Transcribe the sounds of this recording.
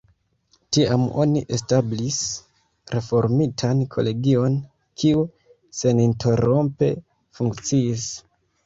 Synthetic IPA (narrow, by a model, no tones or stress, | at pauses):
tiamo̞̰niʔe̞stablis | ɾe̞fo̞ɾmitʰankʰo̞̰le̞ɡio̞n | kʰiu | se̞nintʰe̞ɾo̞mpe̞̰ | fuŋkt͡siːs